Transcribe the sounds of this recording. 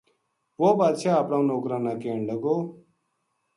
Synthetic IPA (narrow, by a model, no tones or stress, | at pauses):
ʋoːbaːd̪ʃʰaːəpɽãːũnoːkɾãːnaːkeːɳɖəɡoː